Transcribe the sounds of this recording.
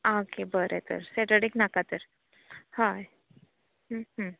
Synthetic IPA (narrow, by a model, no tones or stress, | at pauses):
okebəɾet̪ə̰ɾsɛʈəɽiknakat̪əɾ | haj | ɦəɦə